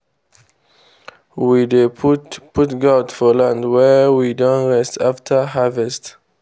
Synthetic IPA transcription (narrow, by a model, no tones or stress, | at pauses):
widepʰʊtɡatfɔlãndwɛwidɔ̃nɹɛstʰaftʰə˞ɦavɛst